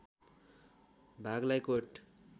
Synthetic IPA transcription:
bʱaɡlajkoʈ

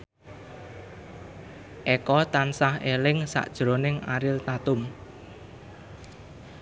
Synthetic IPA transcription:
ʔɛkɔt̪ansahelɪŋsa̰ʔd̥ʒ̥ɾonɪŋa̰ɾɪlt̪at̪ʊm

